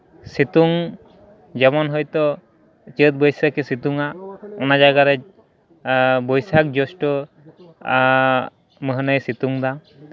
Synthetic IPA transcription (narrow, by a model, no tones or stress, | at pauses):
sit̪uŋ | d͡ʒɛmɔnɦɔjt̪ɔ | t͡ʃət̪̚bɔjsəkesit̪uŋaɔnad͡ʒaɡaɾɛ | bɔjsak̚d͡ʒɔsʈɔ | məɦnəjsit̪uŋd̪a